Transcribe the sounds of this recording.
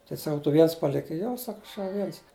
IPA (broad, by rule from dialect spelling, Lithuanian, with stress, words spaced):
tɐɪ sɐˈkɐʊ tʊ ˈʋʲiɛns ˈpɑːlʲɪkɐɪ ˈjoː ˈsɐk ˈɐʃ jɛʊ ˈʋʲiɛns